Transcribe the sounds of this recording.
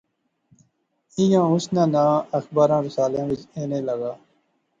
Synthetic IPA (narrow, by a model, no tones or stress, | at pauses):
ijãːʊsnãːnãːəxbaːɾãːɾɪsaːlãːʋɪt͡ʃeːneːləɡaː